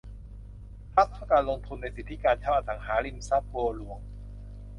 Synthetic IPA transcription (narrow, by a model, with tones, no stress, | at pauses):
pʰa˦˥t̪̚ʰːa˧˥˩kaː˧nlo˧ŋt̪ʰu˧nːa˧jsi˨˩t̪ʰːi˦˥kaː˧nt͡ɕʰaː˧˩ʔa˧˩sa˩˦ŋɦaː˩˦li˥˩˨msa˦˥t̪̚boː˧lu˩˦əŋ